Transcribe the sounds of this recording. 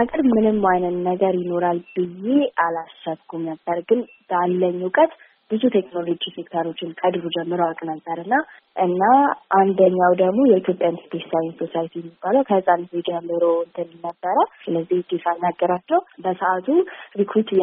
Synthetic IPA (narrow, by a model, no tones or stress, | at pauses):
akʼɨɾmɨnɨmːajnət̪nəɡəɾjɪno̞ɾalbɨjːe̞ʔalasəbɡʰumnəbːəɾɡɨn | b̥alːəɲːukʼət̪ | b̥ɨzut̪ʰeknolo̞d͡ʒisekt̪ʰəɾo̞t͡ʃːɪnkʰəd̪ɾud͡ʒɛmːɨɾəwakʼnəbːəɾɨnːa | ʔɨnːaʔand̪əɲːawd̪əɡmo̞jɛʔit̪ʰjo̞pʼjanspʰessajɪnsosajit̪ʰijɛmːibːaləwkʰəhɨsʼanzed͡ʒəmːɨɾoɨnt̪ʰɨnɨnːəbːəɾəsɨləzːihd̪et̪ʰanːaɡːəɾat͡ʃːɛwbəsəʔat̪ʰuɾikʰoɾt̪